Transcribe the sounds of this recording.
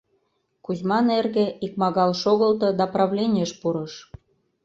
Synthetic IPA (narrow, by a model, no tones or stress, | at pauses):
kuzmɑnerɣĕik̚mɑɣɑlʃoɣə̆lt̪ɤ̆d̪ɑprɑvlʲenʲeʃpuɾɤ̆ʃ